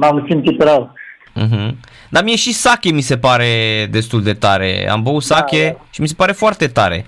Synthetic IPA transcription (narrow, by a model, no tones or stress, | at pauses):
mamsimt̪it̪ɾəw̩ | ɦ̩ | d̪amije̞ʃisakʲe̞mise̞paɾe̞d̪e̞st̪uld̪e̞t̪aɾe̞̰a̰mbəut̪sakʲe̞ʃimis̬e̞̥paɾe̞foart̪e̞t̪aɾe̞̰